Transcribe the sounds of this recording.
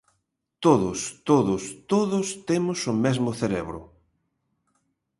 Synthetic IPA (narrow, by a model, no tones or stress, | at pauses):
t̪oðʊst̪oðʊst̪oðʊst̪emʊsʊmɛzmʊθeɾeβɾʊ̰